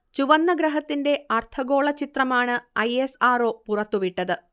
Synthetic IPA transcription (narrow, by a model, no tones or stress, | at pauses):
t͡ɕuʋɐnːɐɡɾɐɦɐt̪ːinde̞ɐrt̪ʰɐɡo̞ːɭɐt͡ɕit̪rɐmaːɳɨɐjesaːro̞ːpurɐt̪ːuʋiʈːɐðɨ